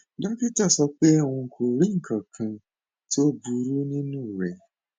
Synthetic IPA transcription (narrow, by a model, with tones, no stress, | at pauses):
da˦ki˦ta˦˨sɔ˧k͡pe˦o˨wũ˧kʰo˨ɾi˦ŋ̩˨kʰã˨kʰã˧ | to˦bu˧ɾu˦nĩ˦nũ˦˨ɾɛ˨˦